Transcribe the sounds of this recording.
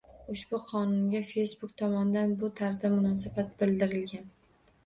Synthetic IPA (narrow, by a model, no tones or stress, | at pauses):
ʊʃb̥ʊqʰɒnʊnɡʲafe̞jsbʊk̚t̪ʰɒmɒnd̪anbʊt̪ʰaɾzd̪amʊnɒsabat̪̚bɪld̪ɪɾɪlɡʲan